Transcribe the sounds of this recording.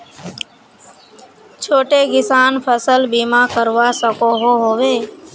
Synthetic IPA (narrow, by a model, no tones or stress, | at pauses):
t͡ʃʰoːʈeːkɪsaːnpʰəsəlbiːmãːkəɾʋaːsəkoːɦoːɦoːʋeː